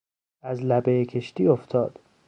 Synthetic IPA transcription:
æzlæbejekʰe̞ʃt̪iːoft̪ʰɒːd̪̥

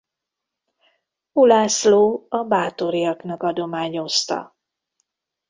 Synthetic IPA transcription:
ulaːsloːɒbaːt̪o̞ɾijɒknɒkɒd̪o̞maːɲo̞st̪ɒ̰

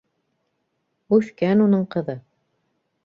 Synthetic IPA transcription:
ʉʃkænunɤɴqɤ̆ðɤ

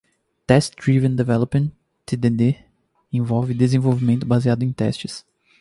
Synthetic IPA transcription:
t̪ɛstd̪ɾivẽnd̪evɛlopmẽn | t̪ʰːed̪ed̪e | ẽvɔvɪd̪ezẽvowvimẽnt̪ʊbaziad̪ʊẽt̪ɛ̰st͡ʃɪs

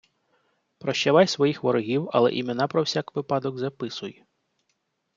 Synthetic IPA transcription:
pɾɔʃt͡ʃɐʋɑjsʋɔjixʋɔɾɔɦʲiwɐ̰lˠɛ̰ʔimʲenɑpɾɔwsʲakʋɪpɑd̪ɔɡzɐpɪsʊj

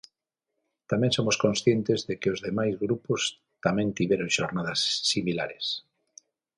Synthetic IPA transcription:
t̪amɛ̃ŋsomʊskõnsθjɛnt̪ɪzðekɪozðemajzɣɾupʊs | t̪amɛ̃nt̪iβɛɾoŋʃoɾnaðɐsːimila̰ɾes

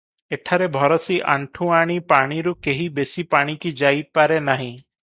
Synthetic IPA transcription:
eʈʰaɾebʱɔɾɔsiʔa̰ɳʈʰũaɽ̃ipaɽ̃iɾukeɦibesipaɽ̃ikid͡ʒajpaɾenaɦĩ

